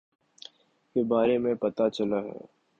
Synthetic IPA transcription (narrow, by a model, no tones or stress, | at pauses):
kebaːɾemẽpɐt̪at͡ʃɐlaɦɛ̰ː